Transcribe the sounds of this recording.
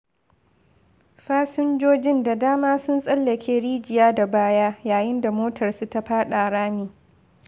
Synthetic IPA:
ɸaː˦sʊ˦nd͡ʒoː˦d͡ʒɪ˦nda˨daː˦maː˦sʊ˦nsʼɐ˦lːɐ˨kʲeː˦ɽiː˦d͡ʒɪ˨jaː˦da˨baː˦jaː˦jaː˨jɪ˦nda˨moː˦tʰɐ˨rsu˨ta˦ɸaː˦ɗaː˨ɽaː˦miː˨

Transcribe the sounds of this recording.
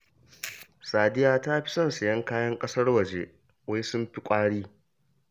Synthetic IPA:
saː˨dɪ˦jaː˨ta˦ɸɪ̥˦sɐ˦nsɐ˨jɐ˦ŋkaː˦jɐ˦ŋkʼɐ˦sɐ˦rwɐ˨d͡ʒe˦ | wa˦jsʊ˦mɸi˦kʷʼaː˦ɽiː˦

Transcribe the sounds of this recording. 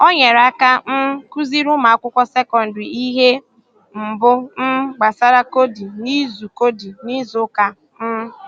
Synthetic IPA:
o˦ɲe˨ɾa˦ka˦m̩˦ku˦zi˦ɾʊ˦ma˨a˦kʷʊ˦kʷɔ˦se˦kɔ˨n̩˨di˨i˦ɦe˦ | m̩˨bʊ˦m̩˦ɡ͡ba˨sa˦ɾa˦ko˦di˨ni˦zu˨ko˦di˨ni˦zʊ˦ka˦ | m̩˦

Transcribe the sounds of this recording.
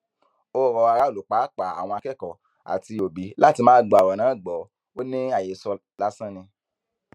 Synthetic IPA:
o˦˨ɾɔ˧a˧ɾa˦o˦˨lu˨k͡pa˨˦k͡pa˨˦a̰˨w̃ɔ̃˧a˧kɛ˦˨kɔ˨ | a̰˨ti˧o˨bi˨˦la˦ti˧mãː˦ɡ͡bɔ˨a˨wɔ˨nãː˨˦˨ɡ͡bɔ˨˦ | o˦nĩ˦a˦˨je˨˦sɔ˧ | la˦sã˦nĩ˧

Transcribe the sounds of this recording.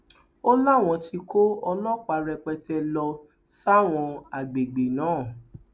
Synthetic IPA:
o˦la˦˨w̃ɔ̃˧ti˧ko˦ɔ˧lɔ̃˦k͡pa˧ɾɛ˧k͡pɛ˧tɛ˧lɔ˧ | sa˦˨w̃ɔ̃˧a˨ɡ͡be˨ɡ͡be˨nãː˨˦˨

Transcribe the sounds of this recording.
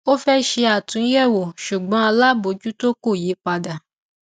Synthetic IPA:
o˦fɛ˦ʃe˧a˨tũ˨˧˦jɛ˦˨wo˨ʃu˨ɡ͡bɔ̃˨˦a˧la˦bo˧˦d͡ʒu˦to˦ko˦˨je˨˦k͡pa˧da˨

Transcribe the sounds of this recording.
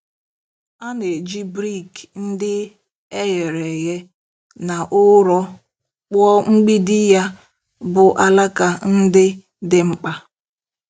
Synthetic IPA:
a˦ne˨d͡ʒi˦bɾi˦˨kn̩˦dɪ˦ | e˦je˨ɾe˨ɣe˦ | na˨ʔʊ˦ɾɔ˦ | k͡pɔ˦ŋ͡m̩˦ɡ͡bi˦dɪ˦ja˦ | bʊ˨ʔa˦la˦ka˨n̩˦dɪ˦ | dɪ˦ŋ͡m̩˦k͡pa˦

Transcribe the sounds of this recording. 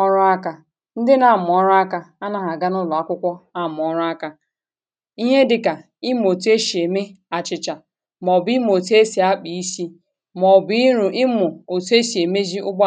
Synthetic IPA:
ɔ˦ɾʊ˦a˦ka˨ | n̩˦dɪ˦na˨mʊ˨ɔ˦ɾʊ˦a˦ka˦a˦na˦ɦa˨ɡa˦nʊ˦lɔ˨a˦kʷʊ˦kʷɔ˦a˦˨mʊ˨ɔ˦ɾʊ˦a˦ka˦ | i˦ɦe˦dɪ˨ka˨ | ɪ˦m˨o˨te˦ʃi˨e˨me˦ | a˨t͡ʃɪ˨t͡ʃa˨ | mɔ˨bi˦m˦˨o˨tu˦e˦si˨a˦k͡pi˨i˦si˦ | mɔ˨bi˦ɾu˨ɪ˦mʊ˨o˨tu˦e˦ʃi˨e˨me˦zi˦ʊ˦ɡ͡ba˦

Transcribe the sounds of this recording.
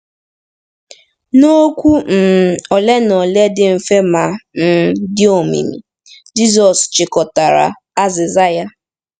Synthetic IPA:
no˦kʷu˦m̩˨ɔ˨le˦nɔ˨le˦dɪ˦m̩˨fe˦ma˨n̩˨dɪ˦o˦˨mḭ˨mḭ˨ | d͡ʒi˦zɔ˨st͡ʃɪ˨kɔ˨ta˨ɾa̰˨ | a˦zɪ˨za˦ja˦

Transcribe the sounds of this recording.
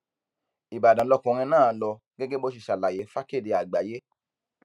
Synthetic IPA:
i˨ba˨dã˨˦lɔ˧kɔ̃˧ɾ̃ĩ˧nãː˦˨˦lɔ˧ | ɡɛ˦ɡɛ˦bo˦ʃ̬i˦˨ʃa˨la˨je˨˦fa˦ke˦˨de˨a˨ɡ͡ba˨˦je˦

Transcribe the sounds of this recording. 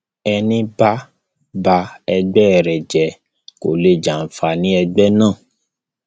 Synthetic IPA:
ɛ˧nĩ˧ba˦ | ba˧ɛ˧ɡ͡bɛ˦˧˨ɾɛ˨d͡ʒɛ˨ | ko̰˨le˨d͡ʒa˨n̩˨fa˧nĩ˦ɛ˧ɡ͡bɛ˦nãː˦˨

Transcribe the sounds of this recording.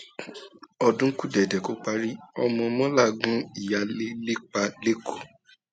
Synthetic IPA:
ɔ˧dũ˦ku˦dɛ˨dɛ˨ko˦k͡pa˧ɾi˦ɔ˧mɔ̃˧mɔ̃˦la˦˨ɡũ˦i˨ja˧le˦le˦k͡pa˧le˦ko˦˨

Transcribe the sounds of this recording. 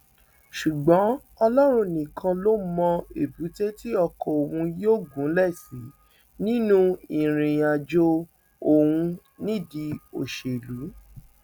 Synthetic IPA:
ʃu˨ɡ͡bɔ̃˨˦ | ɔ˧lɔ˦ɾ̃ũ˧nĩ˨kʰã˧lo˦mɔ̃˧e˨bu˨˦te˦ti˦ɔ˧kɔ˧o˨wũ˧joː˦˨ɡũ˨˦lɛ˦˨si˨˦ | nĩ˦nũ˦ĩ˨ɾ̃ĩ˨j̃a˨d͡ʒo˧ | o˨wũ˧ | nĩ˦˨di˧o˨ʃe˨lu˨˦

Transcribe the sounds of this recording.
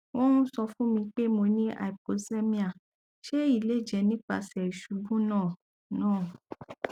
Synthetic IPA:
wɔ̃˦ũ˦sɔ˧fũ˦mĩ˧k͡pe˦mo˧nĩ˦ʔa̰˨i˨po˨˦se˦mĩ˦a˨ | ʃe˦i˦˨le˨˦˨d͡ʒɛ˨nĩ˦k͡pa̰˧sɛ˨i˨ʃu˨˦bũ˦nãː˦˨ | nãː˦˨

